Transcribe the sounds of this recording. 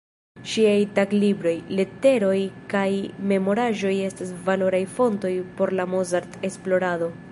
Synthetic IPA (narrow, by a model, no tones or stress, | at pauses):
ʃiajtaɡlibɾo̞jle̞te̞ɾo̞jkajme̞mo̞ɾaʒo̞je̞stasvalo̞ɾajfo̞nto̞jpo̞ɾlamozaɾte̞splo̞ɾado̞